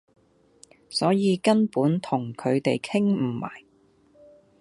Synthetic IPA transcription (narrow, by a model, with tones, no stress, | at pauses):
sɔː˨˥jiː˨˧kɐ˥npuː˨˥nt̪ʰʊ˨˩ŋkʰɵ˨˧ɥt̪e˨jkʰɪ˥ŋm̩˨˩ma̰ː˨˩j